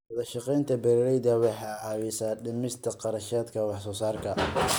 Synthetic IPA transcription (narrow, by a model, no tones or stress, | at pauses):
wɐðɐʃɑqɛjnt̪ʰɐbɛɾɪɾɛjðɐwɑħɑːʕɑːwɪsaːɖɪmɪst̪ʰɐqɑɾɐʃaːd̪kʰɐwɑħsɔːsaːrkʰɐ